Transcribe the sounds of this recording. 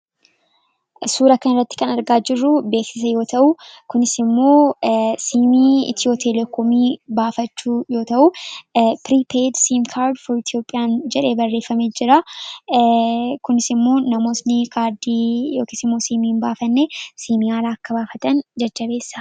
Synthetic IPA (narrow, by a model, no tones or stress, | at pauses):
suːɾɐkɐnɪrːɐt̪ːɪkɐnɐɾɡaːd͡ʒɪrːʊbe̞ːksɪs̬ɐjo̞ːt̪ʰɐʔʊkʊnɪsɪmːo̞ːsiːmiːɪ̰t̪joːt̪ʰɛlɛkoːmiːbaːfɐt͡ʃːuːjo̞ːt̪ɐʔu | pɾiːpʰeːd̪siːmkʰaːɾd̪fɔɾɪt̪ʰjo̞ːpʼːɪjaːnd͡ʒɛᶑe̞ːbɐrːe̞ːfːɐmeːd͡ʒɪɾa | kʊnɪsɪmːo̞ːnɐmo̞ːsnɪkaːɾd̪iːjoːkɪsɪmːo̞ːsiːmiːnbaːfɐnːeːsiːmiːhaːlaːɐkːɐbaːfɐt̪ɐnd͡ʒɐd͡ʒːɐbe̞ːsːɐ̥